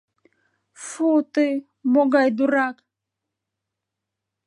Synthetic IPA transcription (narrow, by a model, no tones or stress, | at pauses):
fut̪ɨ | moɡajd̪uɾak